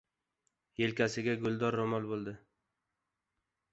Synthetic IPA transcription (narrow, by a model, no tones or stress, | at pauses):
jelkʲʰasɪɡʲaɡʊlˠd̪ɒɾːomɒlˠbolˠd̪ɪ